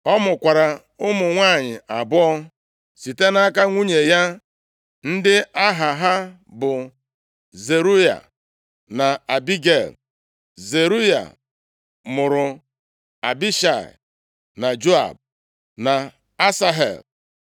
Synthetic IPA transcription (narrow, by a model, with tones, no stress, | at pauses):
ɔ˦mʊ˨kʷa˨ɾa˨ | ʊ˦mʊ˨ŋʷaː˦˨ɲɪ˨a˨bɔ˦ɔ˦ | si˨te˦na˦ka˦ŋʷu˦ɲe˨ja˦ | n̩˦dɪ˦a˦ɦa˨ɦa˦ | bʊ˨ | ze˨ɾu˦ja̰˨ | na˨a˨bi˦ɡe˦˨l | ze˨ɾu˦ja̰˨ | mʊ˨ɾʊ˨ | a̰˨bi˦ʃa˨ḭ˨ | na˨d͡ʒo˦a̰˨b̚ | na˨ | a˦sa˦ɦḛ˨l